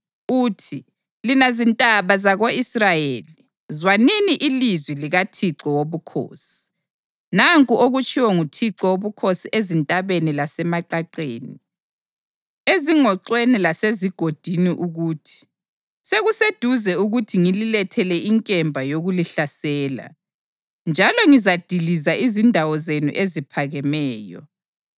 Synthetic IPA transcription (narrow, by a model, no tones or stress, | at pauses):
uːtʰi | linazintʼaβazaɣoisrajeːli | zwaniniʔilizwiliɣatʰiǁɔwoβukʰo̰ːsi̥ | naŋkʼuʔoɣut͡ʃʰʼiwɔŋutʰiǁɔwoβukʰosiʔezintʼaβenilasɛmaǃaǃeːni | eziŋɔǁwenilaseziɡ̥ʱod̥ʱiniʔuɣuːtʰi̥ | seɣused̥ʱuzɛuɣutʰiŋililɛtʰɛlɛiŋkʼɛmbʱajoɣuliɬasɛːla̰ | nd͡ʒʱalɔŋizad̥ʱilizaʔizindʱawɔzenṵʔezipʰaɣɛmɛːjɔ̰